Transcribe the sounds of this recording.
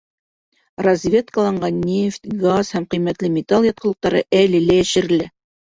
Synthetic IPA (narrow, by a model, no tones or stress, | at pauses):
razʲvʲe̞t̪̚kəlˠɑɴɢɑnːʲeft̪ʲɡashæmqɤ̆jmæt̪lɘmʲɪt̪ɑlˠjɑt̪̚qɤ̆lˠɤ̆q̚t̪ɑɾɤ̰ʔælɘ̆lææʃɘ̆ɾɘ̆læ